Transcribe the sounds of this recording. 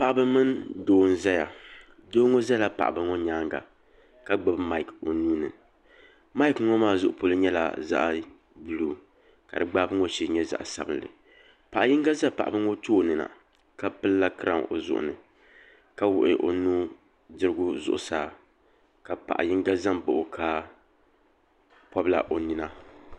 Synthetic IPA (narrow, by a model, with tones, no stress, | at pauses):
pa˨ʔa˨bɨ˦mɨ˦ndoː˦n̩˦za˦ja˨ | doː˦ŋo˦za˦la˦pa̰˨ʔa̰˨bɨ˨ŋɔ˦ɲaː˦ŋɡa̰˨ | ka˦ɡ͡bɨ˦bma˦i˨ko˨nuː˦nɨ̰˨ | ma˦i˦kŋɔ˦maː˦˨zʊ˦ʔʊ˦po˨lɨ˦ɲɛ˦la̰˨za̰˦ʔ | bɨ˨luː˦˨ | ka̰˨dɨ˨ɡ͡baː˦bɨ˦ŋo˦t͡ʃi˦ɲɛ˦za̰˨ʔsa̰˦bɨ˦nlɨ̰˨ | pa˨ʔa˨jɪ˦ŋɡa˦za˦pa˨ʔa˨bɨ˦ŋo˦toː˦˨nɨ˨na̰˨ | ka˦pɨ˦lla˦kɨ˦ɾa˨ŋo̰˨zʊ̰˦ʔʊ̰˨nɨ˨ | ka˦wʊ̰˨ʔɪ̰˨ʔo̰˨nuː˦ | dɨ˦ɾɨ˦ɡʊ˦zʊ̰˦ʔʊ̰˦saː˨ | ka˨pa̰˨ʔa̰˨jɪ˦ŋɡa˦za˦mbʊ˨ʔʊ˨kʰa˦ | pɔ˦bla̰˨ʔo˨nɨ˨na˦